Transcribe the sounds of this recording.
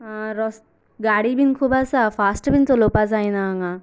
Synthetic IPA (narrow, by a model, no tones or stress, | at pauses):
aɾɔs | ɡaːɽibinkʰubasafaːsʈbint͡s̪olopas̬ajnaŋa